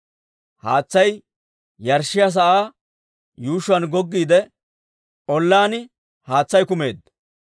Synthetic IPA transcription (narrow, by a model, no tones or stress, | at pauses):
haːt͡sːɐj | jɐɾʃːɪjɐs̬ɐʔaː | juːʃʊɐnɡɔɡːiːd̪ɛ | ʔɔlːaːnɪ | haːt͡sːɐjkʊme̞ːd̪